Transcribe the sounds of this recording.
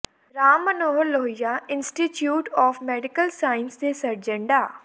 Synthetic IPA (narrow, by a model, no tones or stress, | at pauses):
ɾaːmːənoːɦəɾloːɦɪjaːɪnsʈiʈjuːʈɔːfmɛːɖɪkəlsaːɪnsd̪esɐɾd͡ʒə̃ɳɖaː